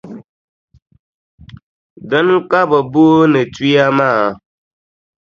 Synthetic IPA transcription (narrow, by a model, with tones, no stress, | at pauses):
də˦nũ˦ka˦bə˨bo˦ne˨ti˦a˦ma˦˨